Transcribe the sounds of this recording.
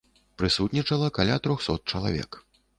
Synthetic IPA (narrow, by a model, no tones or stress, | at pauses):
pɾɨsut̪ʲnʲit͡ʂɐlˠɐkalʲat̪ɾɔxsɔ̰t̪̚t͡ʂɐlˠa̰vʲɛ̰k